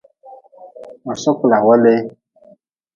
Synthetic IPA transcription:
mɔ̃˨sɔ˦kla˨wɛ˦le˦

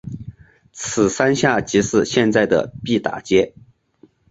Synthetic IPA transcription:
t͡sʰɹ̩˨˩sa˥nɕja˥˩t͡ɕi˧˥ʂɻ̩˥˧ɕjɛ˥˧nt͡sa˥˩ɪd̪ə̰˩pi˥˩t̪a̰˨˩t͡ɕjɛ˥

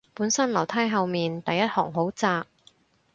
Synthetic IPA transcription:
puː˨˥nsɐ˥nlɐ˨˩wt̪ʰaː˥jɦɐ˨˧wmiː˨nt̪ɐ˨jːɐ˥t̚hɔː˨˩ŋɦo˨˥wt͡saː˧k̚

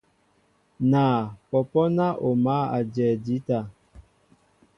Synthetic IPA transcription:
naː˨pɔ˨pɔ˦na˦ʔo˨ma˦a˨d͡ʒɛː˨di˨˦ta˨

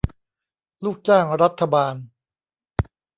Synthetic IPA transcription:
luː˥˩k̚t͡ɕaː˥˩ŋɾa˦˥t̪ʰːa˧baː˧n

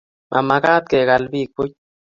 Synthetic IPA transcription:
mʔa̰˨ma˧ɡa˦t̪̚ke˨ɡa˧lbi˦˨k̚pu˦

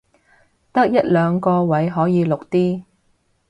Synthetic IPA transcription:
t̪ɐ˥k̚jɐ˥t̚lœː˨˧ŋkɔː˧wɐ˨˥jɦɔː˨˥jiː˨˧lʊ˨k̚t̪iː˥

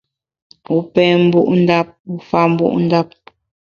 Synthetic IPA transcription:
u˦pɛ˦mbu˦ʔu˦nda˦p̚u˦fa˦mbṵ˦ʔṵ˦nda˦p̚

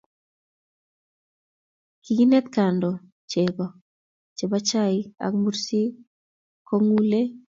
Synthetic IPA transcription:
ki˨ɡi˦nɛ˦t̪ka˨ndɔ˨ | t͡ʃe˨bɔ˨ | t͡ʃe˨ba˦t͡ʃa˦ɪ˦a̰˨kmu˦ɾsi˦ | kʰɔ˦ŋu˦le˦

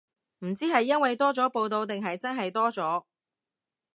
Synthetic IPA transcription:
m̩˨˩t͡siː˥ɦɐ˨jːɐ˥nwɐ˨jt̪ɔː˥t͡sɔː˨˥po˧wt̪o˧wt̪ɪ˨ŋɦɐ˨jt͡sɐ˥nɦɐ˨jt̪ɔː˥t͡sɔː˨˥

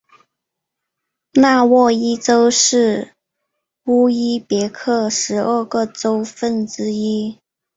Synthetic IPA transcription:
na˥˧wɔ˥˩i˥ʈ͡ʂo˥ʊʂɻ̩˥˩ | u˥i˥pjɛ˧˥kʰɤ˥˩ʂɻ̩˧˥ʔə˞˥˧˩ɡə˥˩ʈ͡ʂo˥ʊfə˥˩nt͡sɻ̩˥i˥

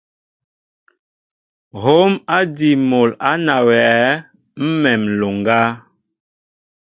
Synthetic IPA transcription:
ɦo˦ma˦di˨mo˨la˦na˨wɛ˨˦ | m̩˦mɛ˨mlo˨ŋɡa˦

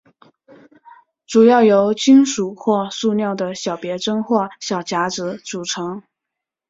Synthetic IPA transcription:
ʈ͡ʂu˨˩jɑ˥˩ʊjo˧˥ʊt͡ɕi˥ŋʂu˨˩xwɔ˥˧su˥˧njɑ˥˩ʊd̪ə˩ɕjɑ˨˩ʊpjɛ˧˥ʈ͡ʂɤ˥ŋxwɔ˥˩ɕjɑ˨˩ʊt͡ɕja˧˥ʈ͡ʂɻ̩˧˥t͡su˨˩ʈ͡ʂʰɤ˧˥ŋ

